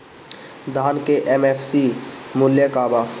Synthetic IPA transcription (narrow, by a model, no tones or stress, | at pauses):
d̪ʱaːnkeʔemefʰsimʊljəkaːbaː